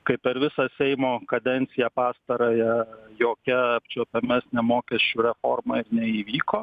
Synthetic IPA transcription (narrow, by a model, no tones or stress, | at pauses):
kɐɪpʲɛɾʋʲɪsɑsʲɛɪmoːkɐd̪ʲɛnʲt̪sʲɪjɛpɑːst̪ɐɾoːjɛjoːkʲɛɐpʲt͡ʃʲoːpʲɛmʲæsʲnʲɛmoːkʲɛsʲt͡ʃʲuːɾʲɛfo̰ːrmɐɪɾnʲɛiːʋʲiːkoː